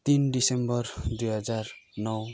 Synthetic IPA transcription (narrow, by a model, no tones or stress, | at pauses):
t̪inɖisembɔɾd̪ujɦʌd͡ʒaɾnɔw